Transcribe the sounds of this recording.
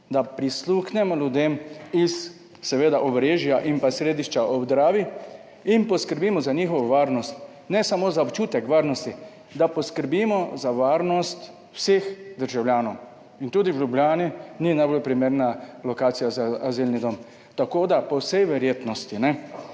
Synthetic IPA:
d̪apɾisluxnɛmɔlʲjud̪eːmisː | ɛʋeːd̪aʔɔbɾeːʒjaʔimpasɾeːd̪iʃt͡ʃaʔɔbd̪ɾaːʋi | inpɔskəɾbiːmɔzaɲiːxɔʋɔʋaːɾnɔst̪ | nɛsamozaɔpt͡ʃuːt̪ɛkʋaːɾnɔst̪i | d̪apɔskəɾbimɔzaʋaːɾnɔst̪ | wseːxd̪əɾʒawlʲjaːnɔw | int̪uːd̪iwlublʲjaːnininajbolpɾimeːɾnalɔkaːt̪sijazaːzilnid̪om | t̪akod̪apɔwsɛjʋɛɾjeːt̪nɔst̪inɛ

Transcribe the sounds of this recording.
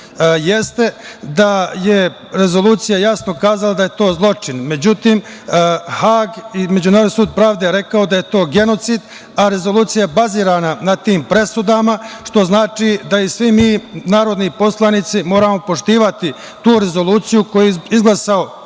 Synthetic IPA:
jest̪e̞d̪aje | ɾe̞zo̞lˠuːt̪sijajasno̞kaːzalad̪aje̞t̪o̞ːzlˠo̞t͡ʂinme̞d͡ʑut̪iːm | haːɡime̞d͡ʒunaːɾod̪isuːd̪̚pɾaːʋd̪e̞ɾe̞kaod̪ajet̪o̞ːɡe̞no̞t̪sid̪ | aɾe̞zo̞lˠuːt̪sijaebaziːɾananat̪iːmpɾe̞sud̪amaʃt̪o̞znaːt͡ʃid̪aisʋimiːnaːɾo̞d̪nipo̞slˠanit̪simo̞ːɾamo̞po̞ʂt̪iːʋat̪i | t̪uːɾe̞zo̞lˠuːt̪sijuko̞jiizɡlˠasao̞

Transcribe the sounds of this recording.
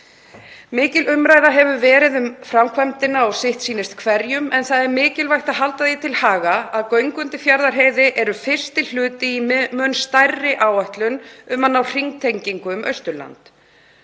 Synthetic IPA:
mɪːcɪlʏmɾaːjðaɦɛvʏvɛːɾɪðʏmfɾamkʰvɛmt̪ɪnaɔwsɪht̪siːnɪst̪kʰvɛɾjʏmɛnθaðɛɾmɪːcɪlvajht̪aðɦalt̪aðit̪ʰɪlhaːɣaaðkœɥŋkʏnt̪ɪfjaɾðaɾ̥ɦeːjðɪʔɛɾʏfɪr̥st̪ɪll̥ʏːt̪ɪimœnst̪ajrːɪʔaːwaht̪lʏnʏmanːawr̥iŋt̪ʰejɲciŋkʏmœɥst̪ʏla̰nt̪

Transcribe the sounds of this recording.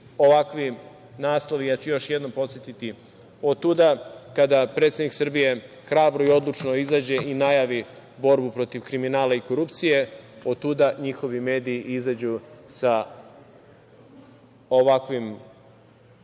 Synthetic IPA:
o̞ʋakʋi | naːslˠo̞ʋijat͡ɕujo̞ʃje̞d̪no̞mpo̞t̪sjet̪it̪i | ot̪ud̪akad̪apɾe̞t̪sʲed̪niksr̩bije̞ | xɾaːbɾo̞io̞d̪lˠut͡ʃno̞izaːd͡ʑe̞inajaʋi | bo̞ɾbupɾo̞t̪iʋkɾiminaːlaiko̞ɾupt̪sije̞o̞t̪ːud̪aɲixo̞ʋime̞ːd̪iiʔizaːd͡ʑusa | oʋakʋim

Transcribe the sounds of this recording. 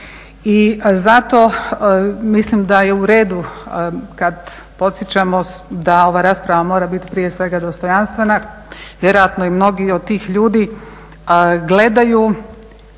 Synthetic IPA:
izat̪o̞ | mislimd̪ajeuɾe̞ːd̪u | kad̪ | po̞t̪sjet͡ɕamod̪ao̞ʋaɾaːspɾaʋamo̞ːɾabit̪i̥pɾije̞sʋe̞ɡad̪o̞st̪o̞janst̪ʋe̞na | ʋje̞ɾo̞jat̪noimno̞ɡiod̪̚t̪ːiːxʎuːd̪i | ɡle̞d̪aju

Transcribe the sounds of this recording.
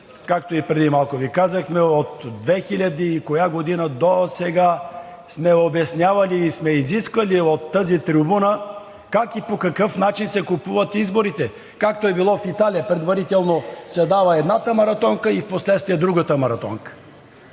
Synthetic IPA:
kak̚t̪oipɾɛd̪imalˠkovikazəxmɛot̪d̪vɛxilʲɐd̪iːkojaɡod̪inəd̪osɛɡa | smɛobɛsnʲjavɐliːsmɛiziskvɐliot̪ːəzit̪ɾibunə | kakipokɐkɤfnat͡ʃinsɛkupuvɐt̪izboɾit̪ɛ | kak̚t̪oɛbilˠɔfit̪alijəpɾɛd̪vɐɾit̪ɛlˠnosɛd̪avəɛd̪nat̪əmɐɾɐt̪ɔŋkəifposlɛt̪st̪viɛd̪ɾuɡət̪əmɐɾɐt̪ɔ̰ŋkə̥

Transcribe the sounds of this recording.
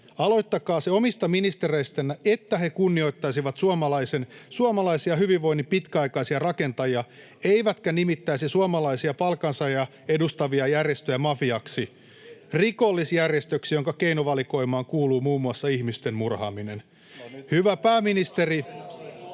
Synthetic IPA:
ɑlo̞jt̪ːɑkɑːseomist̪ɑminist̪ereist̪ænːæet̪ːæhe̞kunːio̞it̪ːɑjsiʋɑt̪suɑmɑlɑisensuɑmɑlɑisiɑɦyʋiʋʋo̞jnːipit̪kæɑikɑisiɑrɑke̞nt̪ɑjiɑ | eiʋæt̪kænimit̪ːæisisuɑmɑlɑisiɑpɑlkɑnsɑjɑ | edust̪ɑʋiɑjærjest̪øjæmɑfiɑksi | rikolːisjærjest̪øksijoŋkɑke̞inoʋɑliko̞imɑːŋkuːluːmuːmːuɑsːɑihmist̪e̞mmurhɑ̰ːminen | hyʋæpæːminist̪eri

